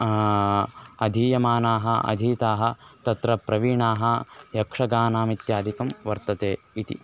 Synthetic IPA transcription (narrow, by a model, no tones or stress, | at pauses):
ɐd̪ʱiːjɐmaːnaːɦɐ̆ʔɐ̰d̪ʱiːt̪aːɦɐ̆t̪ɐt̪ɾɐpɾɐʋiːɳaːɦɐ̆jɐkʂɐɡaːnaːmit̪jaːd̪ʱikɐmʋɐɾt̪ɐt̪eː | it̪ḭ